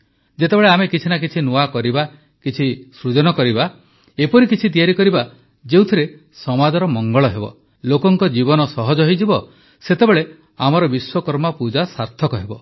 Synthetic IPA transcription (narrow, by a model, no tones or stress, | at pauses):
d͡ʒet̪ebeɭeamekit͡ʃʰinak̬it͡ʃʰinuakɔɾiba | kit͡ʃʰisɾud͡ʒɔnɔkɔɾiba | epɔɾikit͡ʃʰit̪̬ijaɾikɔɾiba | d͡ʒewt̪ʰiɾe | sɔmad͡ʒɔɾɔmɔŋɡɔɭɔɦebɔ̰ | lokɔŋkɔd͡ʒibɔnɔsɔɦɔd͡ʒɔɦojd͡ʒibɔ | set̪ebeɭe | amɔɾɔbiswɔkɔɾmɔpud͡ʒasaɾt̪ʰɔkɔɦebɔ